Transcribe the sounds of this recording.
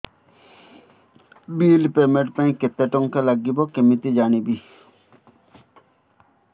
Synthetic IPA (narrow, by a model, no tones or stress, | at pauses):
biːlpemeʈpãĩket̪ːɛʈɔŋkelaɡːibɔkemit̪id͡ʒanibi